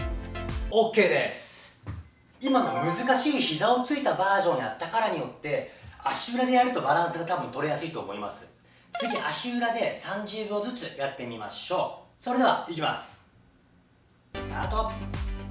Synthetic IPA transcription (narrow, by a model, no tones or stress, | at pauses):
oːkːe̞ːd̪e̞sɨ̥ | imano̞mɯ̟zɨkaɕiːçizao̞t͡sɨit̪abaːʑõ̞ɲ̟ːiat̪ːakaɾaɲ̟ijo̞t̪ːe̞aɕiɯːɾad̪e̞jaɾɯ̟t̪o̞baɾãɰ̃sɨɡat̪abɯ̟nt̪o̞ɾe̞jasɨit̪o̞ːmo̞ima̰sɨ̥ | t͡sɨik̪ʲiʔaɕiɯɾad̪e̞sãɲ̟d͡ʑɨːɡo̞zɨt͡sɨjat̪ːe̞mʲima̰ɕo̞ːso̞ɾe̞d̪e̞βa̰ik̬ʲima̰sɨ̥ | sɨ̥t̪a̰ːt̪o